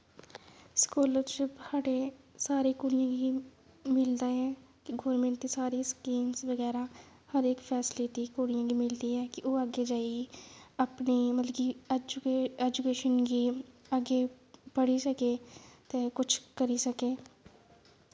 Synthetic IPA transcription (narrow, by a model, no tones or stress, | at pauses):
skuːləɾt͡ʃɪpaːɖesaːɾikoːɽɪjãɡi | mɪld̪aɦɛ̃ːkiɡɔːɾmẽɳʈt̪isaːɾiskiːmsʋəɡɛːɾa | həɾeːkfʰɛːsleːt̪ikoːɽɪjãːɡimɪld̪iɦɛ̃ːkiʔoːaɡed͡ʒaːiəpniːməlɡid͡ʒɛːd͡ʒukeːʃənɡiəɡe | pəɽisəkeːt̪ekʊt͡ʃʰkəɾisəkeː